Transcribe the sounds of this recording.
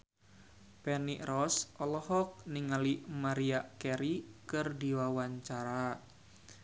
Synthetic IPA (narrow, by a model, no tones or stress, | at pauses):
pɛniʔrɔsɔlɔhɔk̚niŋalimaɾiakɛɾikɨrdiwawaɲt͡ʃaɾa